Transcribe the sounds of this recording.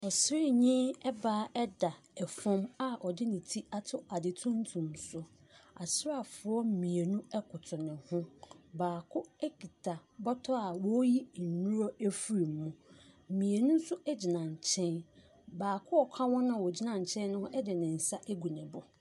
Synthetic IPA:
ɔ˨sɾɪ˦ɲĩ˦ɛ˦baː˦ɛ˦da˨ɛ˨fɔ̃˦ma˦ɔ˨dɪ˦nɪ̃˨tʰi˦a˦tʰʊ˦a˨dɪ˨tʰũ˦n˦tʰũ˨msʊ˦ | a˨sɾa˦˨fʊ˨ɔ˦mĩ˨e˨nũ˦ɛ˦kʰʊ˨tʰʊ˨nɪ̃˨hʊ̃˦baː˨kʰʊ˦ɛ˦ki˨tʰa˨bɔ˦tʰɔ˦a˨wɔ˦ji˦˨nũ˦ɾɔ˦e˦fu˨˦ɾi˨mːũ˨mĩ˨e˨nũ˦n̩˦sʊ˦ɛ˦d͡ʑi˨nã˨ɲ˨t͡ɕʰɛ̃˦n | baː˨kʰʊ˦ɔ˨kʷʰa˦wɔ̃˦nʊ̃˦˨wɔ˨d͡ʑi˦nã˨ɲ˨t͡ɕʰɛ̃˦n˦nʊ̃˦hʊ̃˦ɛ˦dɪ˨nɪ̃˨n̩˨sa˦ʔe˦ɡu˨nɛ̃˨bʊ˨

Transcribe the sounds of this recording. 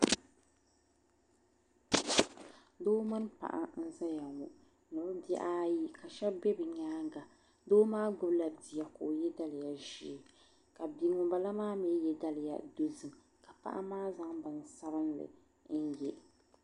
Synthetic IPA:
doː˦ma˦n˦pa̰˨ʔa̰˨n̩˦za˦ja˨ŋu˨ | nɨ˨bbɛ˦ʔa˦ji˦ka˨ʃɛ˦bɛ˦bɨ˨ɲaː˦ɡa˨ | doː˦maː˦ɡ͡bʊ˦bla˨di˨ja˨ko˨jɛ˦da˦lɪ˨ja˨ʒi˦˨ | ka˨bi˨ŋʊ˨ba˨la˦maː˦mɛ˦jɛ˦da˦lɪ˨ja̰˨do˦zɨ˨m | ka˨pa̰˦ʔa̰˦maː˦za˦ŋbɨ˨n˨sa˦ɾɨ˦nlɨ̰˨ | n̩˦jɛ˦

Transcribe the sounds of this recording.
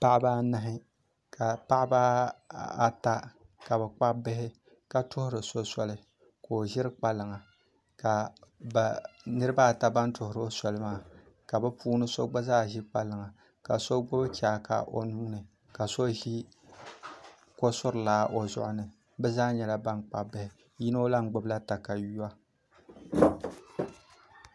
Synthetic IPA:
pa˦ʔɪ˦baː˦na˦ɦɪ˦ | ka˨pa˦ʔɪ˦baː˦a˦ta˦ka˨bɛ˨k͡pa˦bɪ˦ɦɪ˦ | ka˨tʊ˦hʊ˦ɾɨ˨so˦sɔ˦lɨ˦ | ko˨ʒɪ˦ɾɨ˦k͡pa˦lɨ˨ŋa˨ | ka˨ba˨nɨ˦ɾɨ˦ba˦˨ta˦ba˦ntʊ˨hʊ˨ɾo˦sɔ˨lɨ˦maː˦˨ | ka˨bɨ˦pʰuː˦nɨ˦so˦ɡ͡ba˦zaː˦˨ʒɪ˦k͡pa˦lɨ˨ŋa˨ | ka̰˨so˦ɡ͡bʊ˦bt͡ʃa˨ka̰˨ʔo̰˨nu˦nɨ˨ | ka˨so˦ʒi˦ | ko˦sʊ˦ɾɨ˨laː˦ʔo˨zʊ̰˦ʔʊ˦nɨ˨ | bɛ˦zaː˦ɲɛ˨la˦ba˦ŋk͡pa̰˨bɪ˦hɪ˨ | ji˦no˦la˦ŋ˦ɡ͡bʊ˦bla˦ta˨ka˨ju˦a˦

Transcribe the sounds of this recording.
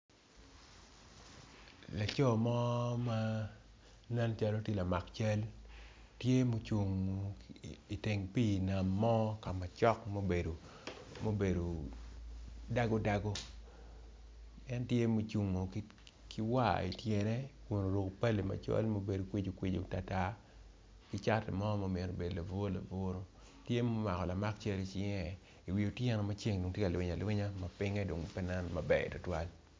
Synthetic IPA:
la˨t͡ʃɔ˦˨mɔ˦ma˦ | na˦nt͡ʃa˦lo˦tje˦la˨ma˨kt͡ʃa˦l | tje˦mo˨t͡ʃu˨ŋo˨i˨te˨ŋpi˦˨na˨mːɔ˦ka˨ma˨t͡ʃɔ˦kmo˦be˨do˨ | mo˦be˨do˨ | da˦ɡo˦da˦ɡo˦ | ɛ˦ntje˦mo˦t͡ʃu˨ŋːo˨ki˦ | ki˦wa̰˦˨ḭ˨tjɛ˨nɛ˦wu˨no˨ɾo˨ko˨pa˦le˨ma̰˨t͡ʃɔ̰˦lmo˦be˨do˨kwi˦d͡ʒo˨kwi˦d͡ʒo˨ta˨ta˦ | kɪ˦t͡ʃa˦tɛ˨mɔ˦mo˦me˨ɾo˨be˨do˨la˨vo˦la̰˨vo˦ɾo˦ | tje˦mo˦ma˨kɔ˨la˨ma˦k̚t͡ʃe˦ɾi˦t͡ʃi˦ŋɛ˨ | i˨wi˨o˨tjɛ˦nɔ˨ma˦t͡ʃe˦ŋdo˨ŋtje˦ka˨lwɪ˦ɲa˨lwɪ˦ɲa˦ma˨pɪ˦ŋɛ˦do˨ŋpɛ˦na˦nmabɛ̰˨tʊ˦twa˦l

